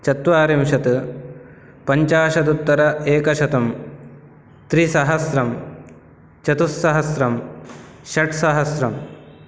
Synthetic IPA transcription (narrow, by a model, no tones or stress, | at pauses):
t͡ʃɐt̪ʋaːɾimʃɐt̪ɨ | pɐɲt͡ʃaːʃɐt̪ut̪ːɐɾɐeːkɐʃɐt̪ɐm | t̪ɾisɐɦɐsɾɐm | t͡ʃɐt̪usːɐɦɐsɾɐm | ʃɐʈsɐɦɐsɾɐm